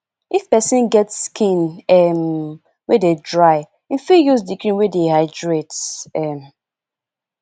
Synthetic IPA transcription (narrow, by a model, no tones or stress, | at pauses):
ʔifpɛsĩnɡɛtskʰĩnɛm | wededɹaɪ | ĩnfijuzdikɹĩnwedehaɪdɹetɛm